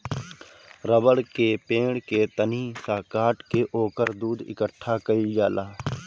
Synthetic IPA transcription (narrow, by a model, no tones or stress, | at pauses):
ɾəbəɽkepẽːɽket̪əniːsaːkaːʈkeʔoːkəɾd̪uːd̪ɪ̰kəʈʰːakəid͡ʒaːlaː